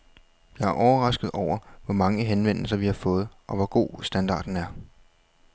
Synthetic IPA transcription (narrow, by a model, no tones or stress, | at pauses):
jɑ̈ɪæɐʔɒʊɐʁɑ̈sɡ̥ð̩ˠɒʊ̰ɐʋɒmɑ̈ŋəɦenʋen̰l̩sɐʋihɑ̈fɔ̽ːð̞̩ˠʔɒ̽ʋɒɡ̥o̝̰ːsd̥ænd̥ɑ̰̈ːd̥n̩æɐ